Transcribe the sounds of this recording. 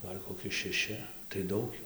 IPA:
ˈɡɐlʲ koːˈkʲɪ ʃʲɛˈʃʲɪ tɐɪ ˈdɐʊk ˈjuː

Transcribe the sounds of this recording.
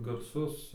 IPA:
ɡɐrˈsʊs

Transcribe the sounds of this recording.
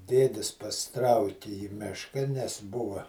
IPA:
ˈdʲeːdʲɪs pɐsʲɪˈtrɐʊkʲɪ iː ˈmʲɪʃkɐ nʲɛs ˈbʊʋɐ

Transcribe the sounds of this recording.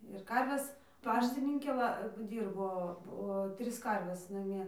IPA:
ɪr ˈkɐrʲʋʲɛs ˈpɑːʃʲtʲɪnʲɪŋʲkʲeː ˈʋɐ ˈdʲiːrboː poː ˈtʲrʲɪs ˈkɐrʲʋʲɛs nɐˈmʲiɛ

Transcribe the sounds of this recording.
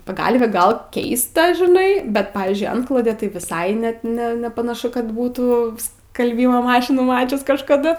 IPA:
pɐˈɡɐlʲʋʲeː ˈɡɐlˠ ˈkʲɛɪstɐ ʒʲɪˈnɐɪ ˈbʲɛt ˈpɑːʋʲiːzʲd͡ʒʲʊɪ ˈɐntklˠoːdʲeː tɐɪ ʋʲɪˈsɐɪ ˈnʲɛt ˈnʲɛ nʲɛpɐnɐˈʃʊ kɐt ˈbuːtuː skɐlʲˈbʲiːmoː ˈmɑːʃʲɪnuː ˈmɑːt͡ʃʲʊs kɐʃkɐˈdʊ

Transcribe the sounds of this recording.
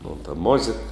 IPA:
moːn tɐ ˈmoːzʲeːk

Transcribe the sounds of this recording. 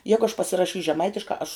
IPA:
ˈjæːɡʊ ɐʃ pɐsʲɪrɐˈʃʲiːsʲ ʒʲɛˈmɐɪtʲɪʃkɑː ɐʃ

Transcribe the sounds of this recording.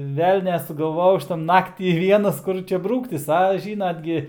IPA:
ˈʋʲɛlʲnʲæː sʊɡɐlˠˈʋoːjɛʊ ˈɐʃ tɐ ˈnɑːktʲiː ˈʋʲiɛnɐs ˈkʊr t͡ʃʲɛ bruːktʲɪs ɐ ˈʒʲiːnɐt ɡʲɪ

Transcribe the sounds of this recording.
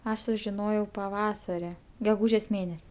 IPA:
ˈɐʃ sʊʒʲɪˈnoːjɛʊ pɐˈʋɑːsɐrʲɪ ɡʲɛˈɡuːʒʲeːs ˈmʲeːnʲɛsʲ

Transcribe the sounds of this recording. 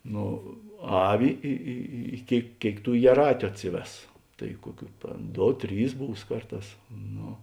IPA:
ˈnoː ˈɑːʋʲɪ ˈɪ ɪ ɪ ˈkʲeːɪk ˈkʲeːɪk ˈtuː jiɛˈrɑːtʲʊ ˈɑːtʲsʲɪˌʋʲɛs tɐɪ ˈkuɔˌkʲuː ˈdoː ˈtʲrʲiːs ˈbuːs ˈkɐrˌtɑːs ˈnoː

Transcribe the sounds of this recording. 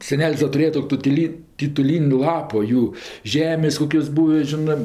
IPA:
sʲɛˈnʲɛlʲsʲ dɐ tʊˈrʲeːjɛ tʊ ˈtʊtʲɪlʲɪ tʲɪtʊˈlʲiːnʲ ˈlˠɑːpoː ˈjuː ˈʒʲæːmʲeːsʲ ˈkoːkʲoːs ˈbuːʋʲɪ ˈʒʲɪnɜ

